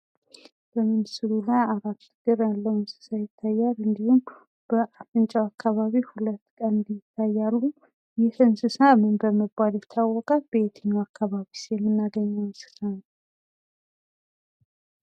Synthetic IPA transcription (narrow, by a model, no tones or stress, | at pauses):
b̥əmɨnsɨlulajaɾat̪ːɨɡ̥ɨɾjalːəwɨnsɨ̥sajɪt̪ʰːajːalɨnd̪ihum | b̥əʔat̪ʼɨnt͡ʃʼɛwakʰːaβaβihulət̪ːkʼənnd̪ijɪt̪ʰːajːalːu | jɪhɨnsɨsamɨnbəməbaljɛt̪ʰːawːɔkʼat̪̚b̥əet̪ʰəɲːaakːaβaβisjɛmːɨnːaɡəɲːawsɨ̥t̪ʰan